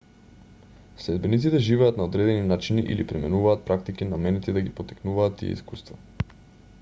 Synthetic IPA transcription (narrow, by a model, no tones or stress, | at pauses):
slɛd̪̚bɛnit̪sit̪ɛʒivɛat̪naod̪ɾɛd̪ɛninat͡ʃiniʔḭlipɾɛmɛnuvaːt̪̚pɾak̚t̪ikinamɛnɛt̪id̪aɡipot̪i̥knuvaːt̪ːḭɛ̰ḭskust̪va